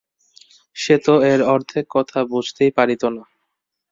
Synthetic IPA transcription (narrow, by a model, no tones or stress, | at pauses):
ʃet̪oeɾɔɾt̪ʰekːɔt̪ʰabud͡ʑʱt̪ejpaɾit̪ona